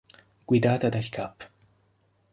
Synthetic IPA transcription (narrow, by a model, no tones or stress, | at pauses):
ɡ̥ʷid̪aːt̪ʰad̪açkʰapʰ